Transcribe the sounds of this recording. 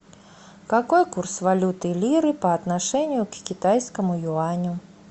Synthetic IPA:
kakojkursvalʲut̪ɨlʲiɾɨpɐːt̪naʂɛnʲjʊkkʲit̪ajskɐmʊjuanʲʊ

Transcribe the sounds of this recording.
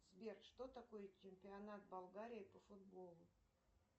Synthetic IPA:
zbʲert̪ʂt̪ot̪ɐko̞jt͡ɕɪmʲpʲɪɐnat̪̚bɐlˠɡaɾʲɪɪpəfʊd̪̚bo̞lˠʊ

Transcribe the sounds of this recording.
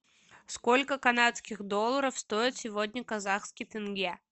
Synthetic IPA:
skolʲkəkɐnat̪skʲɪɣd̪o̞lˠːəɾəfst̪o̞ɪt̪sʲɪvodʲnʲəkɐzaxskʲɪjt̪ɨnɡʲe

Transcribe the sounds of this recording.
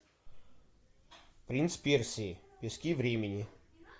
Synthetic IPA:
pɾʲint̪spʲersʲiɪpʲɪsʲkʲivɾʲemʲɪnʲɪ

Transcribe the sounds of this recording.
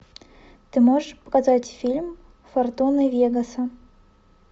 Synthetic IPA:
t̪ɨmoʐɨʂpə̥kazatʲfʲilʲm | fɐrt̪onɨvʲeɡəsɐ

